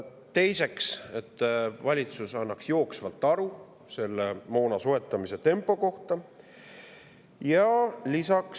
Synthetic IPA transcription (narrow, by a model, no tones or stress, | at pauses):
t̪e̞jse̞kse̞t̪ːˑvɑlʲit̪susɑnːɑksjo̞ːksvɑlt̪ːˑɑɾu | se̞lːemo̞ːnɑsoe̞t̪ːˑɑmise̞t̪e̞mpˑo̞ko̞ht̪ɑ | jɑlisɑks